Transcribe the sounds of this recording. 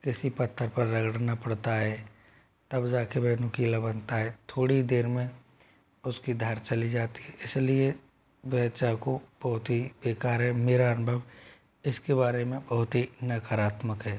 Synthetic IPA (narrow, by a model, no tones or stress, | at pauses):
kɪsipɐt̪ʰːəɾpɐɾːɐɡəɽnapɐɽt̪aɦɛː | t̪ɐbd͡ʒaːkebɛːnʊ̃kiːlabɐnt̪aɦɛt̪ʰoːɽid̪eːɾmẽ | ʊskid̪ʱaːɾt͡ʃɐlid͡ʒaːt̪i̥ɦɛɪslie | ʋɛt͡ʃakob̥ɐɦʊt̪ɦibeːkaːɾɦɛmeːɾaːnbʱəb | ɪskebaːɾemẽbɐɦʊt̪ɦinəkaɾaːt̪məkɦɛː